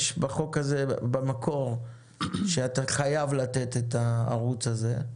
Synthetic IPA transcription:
ʃbaχo̞kaze̞bemako̞ʁ | ʃeat̪aχajavlate̞t̪eta̰ːʁut͡saze̞

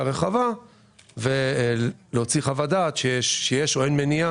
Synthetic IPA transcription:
aʁeχava | veleot͡siχavad̪at̪ʃejeʃːejeʃoenmenia

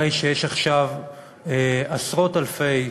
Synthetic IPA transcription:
jʃejeʃaχʃav | easʁo̞talfe̞j

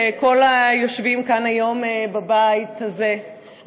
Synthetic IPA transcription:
kolajo̞ʃvimkanajo̞mbabait̪haze̞

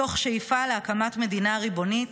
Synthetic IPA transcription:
o̞χʃejfaleakamatme̞dinaʁibo̞nit

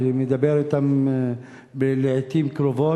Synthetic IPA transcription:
med̪abeɾit̪am | beleʕet̪iːmkɾovo

